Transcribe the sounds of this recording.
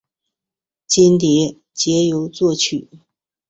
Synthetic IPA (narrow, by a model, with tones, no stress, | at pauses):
t͡ɕi˥nt̪jɛ˧˥ | t͡ɕjɛ˧˥jo˧˥ʊt͡swɔ˥˩t͡ɕʰy˨˩˦